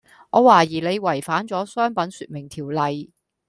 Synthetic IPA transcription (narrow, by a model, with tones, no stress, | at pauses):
ʔɔː˨˧waː˨˩jiː˨˩le˨˧jwɐ˨˩jfaː˨˥nt͡sɔː˨˥sœː˥ŋpɐ˨˥nsyː˧t̚mɪ˨˩ŋt̪ʰiː˨˩wlɐ˨j